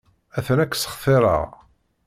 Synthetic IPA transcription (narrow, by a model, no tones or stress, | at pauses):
æθənækːsə̥χθɪɾˤə̰ʁ